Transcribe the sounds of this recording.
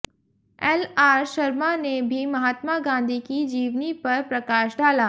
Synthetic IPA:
ɛːlaːɾʃɐɾmanebʱimɐɦaːt̪maɡãːnd̪ʱikid͡ʒiːʋnipɐɾpɾɐkaːʃɖaːlaː

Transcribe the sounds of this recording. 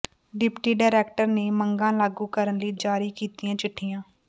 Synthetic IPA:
ɖɪpʈiːɖaːɾɛːk̚ʈəɾneːməŋɡãːlaːɡuːkəɾənliːd͡ʒaːɾiːkiːt̪iːãːt͡ʃɪʈʰːiːjãː

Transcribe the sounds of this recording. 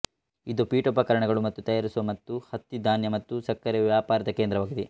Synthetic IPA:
id̪upiːʈupɐkɐɾɐɳɐɡɐɭumɐt̪ːut̪ɐjaːɾisuʋɐmɐt̪ːuhɐt̪ːid̪ʱaːnjɐmɐt̪ːusɐkːɐɾeʋjaːpaːɾɐd̪ɐkend̪ɾɐʋaːɡid̪i

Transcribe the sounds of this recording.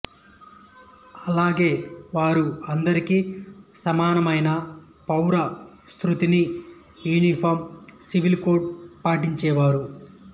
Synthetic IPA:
ɐlaːɡe̞ːʋaːɾuɐnd̪ɐɾikisɐmaːnɐmɐjnɐ | pɐwɾɐ | st̪ɾut̪ini | juːnipʰoːɾmsiʋilkoːʈ̚paːʈiɲt͡ʃɛːʋaːɾu

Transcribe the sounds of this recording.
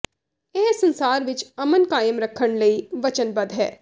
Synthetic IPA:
eːsə̃nsaːɾʋɪt͡ʃɐmənkaːjəmɾɐkʰəɽ̃lɐiʋɐt͡ʃənbɐd̪ɦɛ̰ː

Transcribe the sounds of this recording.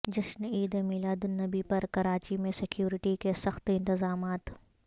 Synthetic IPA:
d͡ʒɐʃniːd̪ẽmɪlad̪ʊnːɐbipɐɾkɐɾaːt͡ʃimẽsɪkjuːɾɪʈikesɐxt̪ɪ̃nt̪ɪzaːmaːt̪

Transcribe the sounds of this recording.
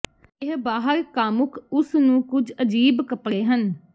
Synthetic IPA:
ɪɦbaːɦəɾkaːmʊkʰʊsnũːkʊd͡ʒəd͡ʒiːbkəpɽeːɦən

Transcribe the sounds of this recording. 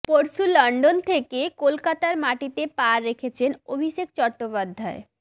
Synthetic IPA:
poɾsulɔɳɖont̪ʰekekolkat̪aɾmaʈit̪epaɾːekʰet͡ɕʰenobʱiʃek̚t͡ɕɔɾʈːopad̪ʱːae

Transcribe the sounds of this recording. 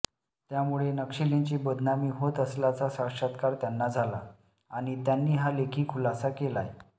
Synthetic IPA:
t̪jamuɭenəkʂilint͡ɕiːbəd̪ʱnamiːɦot̪əsljat͡sasakʂat̪kaɾt̪janːad͡zʱala | aɽ̃it̪janːiːɦalekʰiːkʰulasakela̰je

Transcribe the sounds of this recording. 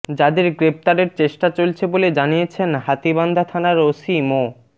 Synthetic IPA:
d͡ʑad̪eɾɡɾep̚t̪aɾeɾt͡ɕeʃʈat͡ɕolt͡ɕʰeboled͡ʑanijet͡ɕʰenɦat̪iband̪ʱat̪ʰanaɾosimo

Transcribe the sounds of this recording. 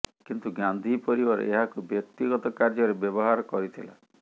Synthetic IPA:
kint̪uɡand̪ʱipɔɾibɔɾ̰ʔeɦakubjɔkt̪iɡɔt̪ɔkaɾd͡ʒɔɾebjɔbɔɦaɾɔkɔɾit̪ʰila̰

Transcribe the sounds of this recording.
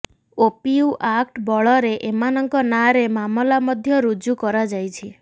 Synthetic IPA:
opiuʔakʈbɔɭɔɾeʔemanɔŋkɔnaɾemamɔlamɔd̪ʱjɔɾud͡ʒukɔɾad͡ʒajt͡ʃʰi

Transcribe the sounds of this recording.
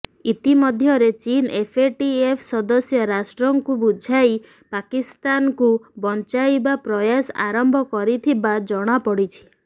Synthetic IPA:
it̪imɔd̪ʱjɔɾet͡ʃinepʰeʈiepʰsɔd̪ɔsjɔɾasʈɾɔŋkubud͡ʒʱaj | pakist̪ankubɔnt͡ʃajbapɾɔjasa̰ɾɔmbʱɔkɔɾit̪ʰibad͡ʒɔɽ̃apɔɽit͡ʃʰi̥

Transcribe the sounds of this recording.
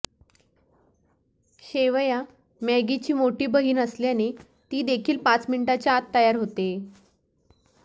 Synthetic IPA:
ɕeʋja | mɛɡit͡ɕiːmoʈiːbəɦiːnəsljane | t̪iːd̪ekʰiːlpãt͡sminiʈat͡ɕjaat̪ːəjaɾɦot̪e

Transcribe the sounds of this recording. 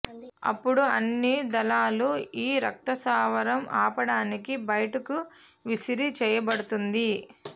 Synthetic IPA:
ɐ̰pːuɽuɐ̰nːid̪ɐlaːluiːɾɐk̚t̪ɐsaːʋɐɾɐmʔa̰ːpɐɽaːnikibɐjɐʈɐku | ʋisiɾit͡ʃɛːjɐbɐɽut̪und̪i

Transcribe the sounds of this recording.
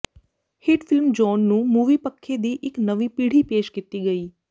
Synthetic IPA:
hɪʈpʰɪlmd͡ʒɔːnːũːmuːʋiːpəkʰːeːd̪iːʔɪknəʋĩːpiːɽ̤iːpeːʃkɪt̪iːɡəiː

